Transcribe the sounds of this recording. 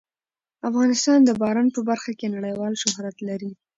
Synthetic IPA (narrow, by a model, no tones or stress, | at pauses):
afɣɑnɪst̪ɑnd̪əbɑɾɑnpəbaɾxakenaɽəjwɑlʃʊɦɾat̪laɾi